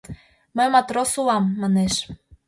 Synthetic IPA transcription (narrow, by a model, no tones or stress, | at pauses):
məjmɑt̪ɾosuɑmːɑneʃ